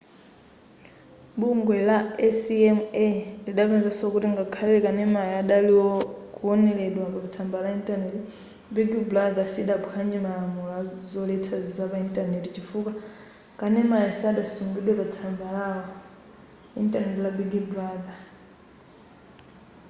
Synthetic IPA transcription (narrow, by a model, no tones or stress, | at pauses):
ɓuŋɡwɛlaɛsiɛmɛliɗaβɛnd͡zasɔkutiŋɡakʰalilɛkanɛmajɛaɗaliɔkuɔnɛlɛɗwakapat͡sʰambalaintʼanɛti | biɡublad̪asiɗabuhʰaɲɛmalamɔlazɔlɛt͡sʰazizapaintʼanetit͡ʃifuka | kʼanɛmajisaɗasumbiɗwɛpat͡sʰambala | ḭntʼanɛtilabiɡiblada